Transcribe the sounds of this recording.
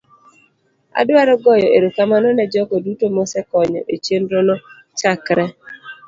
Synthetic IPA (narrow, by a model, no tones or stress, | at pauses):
a̰dwaɾɔɡɔjɔeɾokamanɔnɛd͡ʒɔkɔdutomɔsɛkɔɲɔ̰ʔet͡ʃenɾɔnɔ | t͡ʃakɾɛ